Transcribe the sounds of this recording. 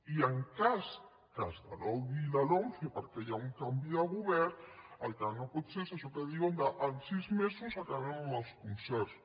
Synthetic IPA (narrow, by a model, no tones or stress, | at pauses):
iəŋkas | kazða̰lɔwβilalɔŋθipəɾkejauŋkambiaɣuβɛɾalkanopɔt̪sesaʃɔkeðiɣond̪aʔansizmesusakaβemðalskunsɛɾs